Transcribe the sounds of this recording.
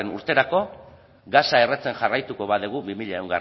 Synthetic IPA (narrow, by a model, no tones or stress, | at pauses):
enṵɾt̪e̞ɾako̞ | ɡasaere̞t͡se̞nʝarajt̪uko̞βað̞eɣ̞ubimiʎaewŋɡar